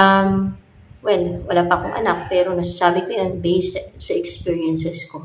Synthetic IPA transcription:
ʔɐm | wɛlwɐlaːpɐkoŋʔɐ̰nak̚pɛːɾo̞nɐs̬asaːbɪkojonbɛjssɐʔɛkspiːɹiɐnsɛsko

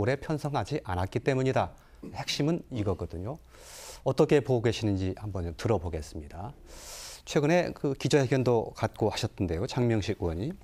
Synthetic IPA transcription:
oɾe̞pʰjʌnsʰʌŋɦad͡ʑiʔanat̚k͈it͈e̞muɲida | he̞k̚ɕ͈imɯniɡʌɡʌdɯɲo | ʌt͈ʌkʰe̞poɡwe̞ɕʰinɯnd͡ʑihambʌnotɯɾʌboɡe̞s͈ɯmɲida | t͡ɕʰwe̞ɡɯne̞kɯkid͡ʑʌɦe̞ɡjʌndokat̚k͈ohaɕʰʌtʰːɯnde̞jot͡ɕaŋmjʌŋɕʰikwʌɲi

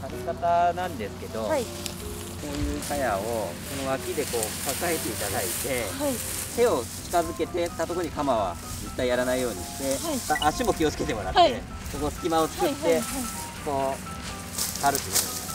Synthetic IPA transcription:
haɾɯkat̪anãnd̪e̞sɨ̥ke̞d̪o̞ | ko̞ːjɯ̟ːkajao̞so̞no̞βakʲid̪e̞ko̞ːkakae̞t̪e̞it̪ad̪ait̪e̞ai | t̪e̞o̞t͡ɕi̥kazɨke̞t̪e̞t̪ːat̪o̞koɲ̟ikamaβ̞a̰ | zet̪ːaijaɾanaijo̞ːɲ̟ḭɕi̥t̪e̞aaʔaɕimo̞kʲio̞t͡sɨ̥ke̞t̪e̞mo̞ɾa̰t̪ːe | soko̞sɨ̥kʲimao̞t͡sɨ̥kɯt̪ːe̞ | ko̞ː | kaɾɯ̟t̪ːoo

